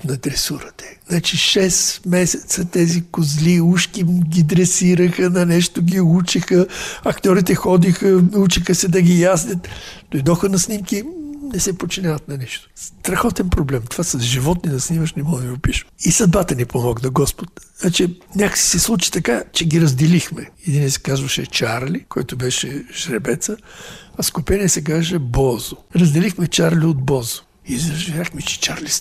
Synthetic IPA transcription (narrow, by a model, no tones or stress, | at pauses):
nɐd̪ɾɛsuɾət̪ɛ̥nat͡ʃiʃɛsmɛsʲɛt̪sət̪ɛzikʊzliuʃkiɡʲid̪ɾɛsiɾəxənɐnɛʃt̪oɡʲiut͡ʃixəɐkt̪ʲɔɾit̪ɛxɔd̪ixənut͡ʃixəsɛd̪ɐɡʲijaznʲət̪d̪̥ojd̪ɔxənɐsnimkinɛsɛpot͡ʃinʲavɐt̪nɐnɛʃt̪o̥st̪ɾɐxɔt̪ɛnpɾoblɛmt̪ov̥asɐzʒivɔt̪ninɐsniməʃnɛmɔd̪viʊpiʃisɐd̪̚bat̪ənipomɔɡnɐɡɔspot̪at͡ʃinʲakə̥si̥sɛslˠut͡ʃi̥t̪ɐkat͡ʃɛɡiɾɐzd̪ɛlixmɛɛd̪inɛsɛ̥kazvəʃɛt͡ʃaɾlʲikɔjt̪obɛʃɛʒ̥ɾɛbɛt̪səɐskʊpɛnʲiɛsɛk̬aʒɛbɔzʊɾɐzd̪ɛlixmɛt͡ʃaɾliod̪̚bɔzo̥ | izʒɛɾʲaxmɛt͡ʃɛ̥t͡ʃaɾlis